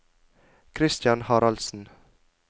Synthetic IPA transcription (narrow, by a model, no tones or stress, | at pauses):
kʰɾɪst̪jɑnhɑːɾɑlsn̩